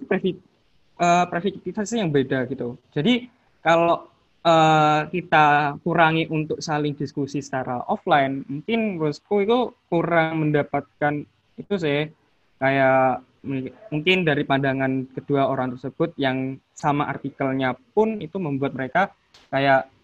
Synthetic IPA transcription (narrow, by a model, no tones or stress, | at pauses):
pfi | əpɾefik̚t̪it̪asɪhjaŋbedaɡit̪ud͡ʒ̥adi | kaloʔ | ʔəkit̪akuɾaŋiʔunt̪ʊk̚salɪŋdiskusisə̥t͡ʃaɾa̰ʔɔflaɪnmuŋkɪnruskuit̪ukuɾaŋməndapat̪̚kan | it̪usɪh | kajaʔ | mmuŋkɪndaɾipandaŋankəd̥uaoɾaŋt̪ərsəb̥ʊt̪̚jaŋ | samaʔa̰rt̪ikəlɲapʊnit̪uməmbuat̪̚məɾeka | kajaʔ